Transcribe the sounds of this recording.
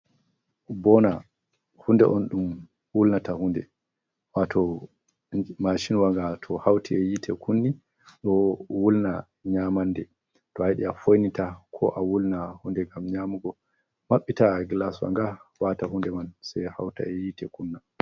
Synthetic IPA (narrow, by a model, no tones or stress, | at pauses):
bɔna | hundɛ̰ʔɔnɗum | wulnatahundɛ̰ | watʰɔ | maʃinwaŋɡatʰɔhawtʰiɛjitʰɛkʰunːi | ɗɔwulna | ɲamandɛ | tɔhajɗiafojnitakʰɔ̰ʔawulnahundɛŋɡamɲamuɡɔ | maɓːitaɡlaswa̰ŋɡawatahundɛmansɛha̰wta̰ɛjitɛkunːa